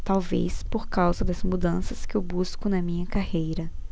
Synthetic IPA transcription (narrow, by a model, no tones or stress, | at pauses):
t̪awvḛspoɾkawzɐd̪ɐzmud̪ɐ̃sɐskɪewbuskʊnɐmĩɲɐkahejɾɐ